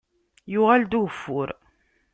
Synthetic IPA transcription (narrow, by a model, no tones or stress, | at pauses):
jʊʁæld̪uɣfːʊɾ